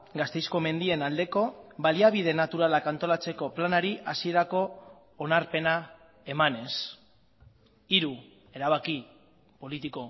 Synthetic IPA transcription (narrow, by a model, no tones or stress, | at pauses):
ɡast̪e̞jsko̞me̞nd̪ie̞nald̪e̞ko̞βaliaβ̞ið̞e̞nat̪uɾalakant̪o̞lat͡se̞ko̞planaɾiʔasie̞ɾako̞ː | naɾpe̞na | e̞mane̞s | iɾu | e̞ɾaβ̞aki | po̞lit̪iko̞